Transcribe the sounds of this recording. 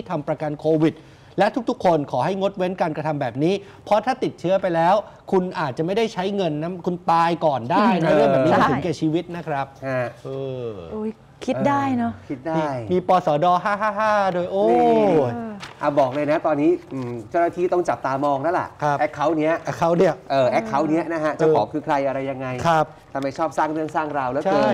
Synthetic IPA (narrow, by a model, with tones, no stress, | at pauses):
t̪ʰa˧mpɾa˧ka˧nkʰoː˧wi˨˩t̪̚ | lɛ˦˥ʔt̪ʰu˥k̚t̪ʰu˦˥kʰːo˧nkʰɔː˩˦ɦa˥˩jŋo˦˥t̪̚we˦˥nkaː˧nkɾa˧t̪ʰa˧mbɛː˨˩p̚niː˦˥ | pʰɔ˦˥t̪ʰaː˥˩t̪i˨˩t̪̚t͡ɕʰɯ˦˥ɐpa˧jlɛː˦˥wkʰu˧nʔaː˨˩t̪̚t͡ɕa˨˩ma˥˩jda˥˩jt͡ɕʰa˦˥jŋɤ˧nːa˦˥kʰu˧nt̪aː˧jkɔː˨˩ndaː˦˥˩jna˦˥mɯ˥˩bɛː˨˩p̚ni˦˧mʰ˧˩˦kɛː˨˩t͡ɕʰiː˧wi˦˥t̪̚na˦˥kʰɾa˦˥p̚a˧˩ʔɤː˧ʔoː˧˥j | kʰi˦˥daː˥˩jnɔ˦˥kʰi˦˥t̪̚daːiː˧˥˧jmiː˧pɔː˧sɔː˩˦dɔː˧ɦaː˥˩ɦaː˥˩ɦaː˥˩doː˧jʔoː˧ | ʔa˧˩bɔː˨˩k̚lɤː˧jna˦˥t̪ɔː˧nːiː˦˥ʔɯː˨˩mt͡ɕaː˥˩naː˧t̪ʰiː˥˩t̪ɔ˥˩ŋt͡ɕa˨˩p̚t̪aː˧mɔː˧ŋna˦˥lɛ̰˨˩ʔkʰɾa˦˥pʔɛ˦˥kʰːa˦˥wni˦˥ɐʔa˧˥˩kʰːa˦˥wni˥˩ɐʔʔɤː˧˩ʔɛː˦˥kʰːa˦˥wni˦˥ɐʔna˦˥kʰa˦˥t͡ɕa˨˧˨ɔː˩˦kʰɯː˧kʰɾa˧jʔa˧ɾa˧jːa˧ŋːa˧jkʰɾa˦˥p̚t̪ʰa˧mːa˧˩jt͡ɕʰɔː˥˩p̚saː˥˩ŋɾɯ˥˩əŋsaː˥˩ŋɾa˧wlɛː˦˥t͡ɕʰaaː˧˥˩j